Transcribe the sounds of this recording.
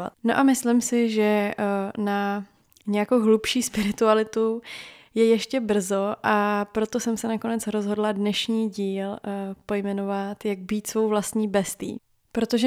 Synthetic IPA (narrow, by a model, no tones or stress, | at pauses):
a̰t̪no̞ʔamɪslɪmsɪʒɛ | na | ɲɛjakowɦlupʃiːspɪɾɪt̪ualɪt̪ujɛjɛʃcɛbr̩zo̞ʔapɾo̞t̪o̞sɛmsɛnako̞nɛt͡sɾo̞zɦo̞dladnɛʃɲiːɟiːlpo̞jmɛno̞vat̪jaɡ̚biːt̪svo̞wvlast̪ɲiːbɛst̪ḭː | pɾo̞t̪oʒɛ